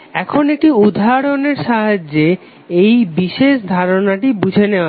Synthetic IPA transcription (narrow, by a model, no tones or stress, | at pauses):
ɛkʰonek̚ʈiud̪ʱaɾoneɾʃaɦad͡ʑːe | ejbiʃeʃd̪ʱaɾonaʈibud͡ʑʱenea